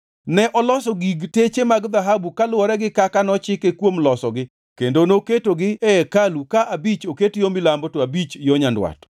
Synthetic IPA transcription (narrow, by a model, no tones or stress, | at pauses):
nɛʔɔlɔsɔɡiɡtet͡ʃemaɡd̪aɦabukalʊwɔɾɛɡɪkakanɔt͡ʃɪkekwomlɔsɔɡɪ | kendonoketoɡɪɛɛkalukaʔabit͡ʃoketjomilambotoabit͡ʃjoɲandwa̰t